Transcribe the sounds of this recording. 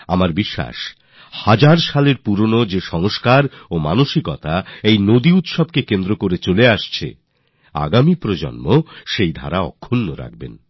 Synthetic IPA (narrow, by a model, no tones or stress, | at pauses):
amaɾbiʃːa̰ʃ | had͡ʑaɾʃaleɾpuɾonod͡ʑeʃɔŋoʃkaɾomanoʃikɔt̪aejnod̪iut̪ʃob̚kekend̪ɾokoɾet͡ɕoleaʃt͡ɕʰḛ | a̰ɡamipɾod͡ʑo̰nmoʃejd̪ʱa̰ɾaɔ̰kʰːunːoɾa̰k̚bḛn